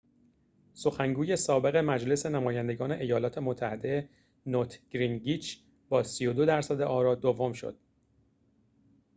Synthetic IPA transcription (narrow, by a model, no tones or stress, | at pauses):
so̞xæŋɡuːje̞sɒːbe̞ɣe̞mæd͡ʒle̞senæmɒːjænd̪e̞ɡɒːne̞ʔejɒːlɒːt̪ʰe̞mot̪ʰːæhe̞d̪e | not̪ʰɡ̥ɾinɡiːt͡ʃʰ | bɒːsijo̞d̪o̞d̪æɾsæd̪e̞ʔɒːɾɒːd̪ovo̞mʃo̰d̪̥̚